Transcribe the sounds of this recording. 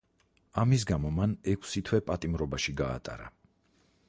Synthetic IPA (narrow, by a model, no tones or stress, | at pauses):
amis̬ɡamɔmanɛkʰsit̪ʰwɛpʼat̪ʼimɾɔbaʃiɡa̰ːt̪ʼa̰ɾa̰